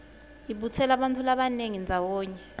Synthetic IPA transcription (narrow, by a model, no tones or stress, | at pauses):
iɓutʰɛlaɓantʰulaɓaneŋind͡zʱawɔːɲɛ